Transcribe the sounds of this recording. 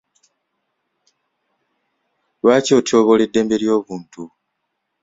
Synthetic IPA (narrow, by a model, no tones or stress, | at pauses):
βaːcoːtʰo̞ːβo̞le̞dːe̞ːmbe̞ɾjo̞ːβuːntu